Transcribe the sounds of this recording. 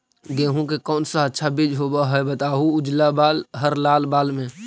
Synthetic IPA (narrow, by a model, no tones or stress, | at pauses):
ɡeːɦũkekɔːnsaətːʃʰabid͡ʒɦobaɦəbət̪aːɦuʊd͡ʒlabaːlɦəɾlaːlbaːlmẽ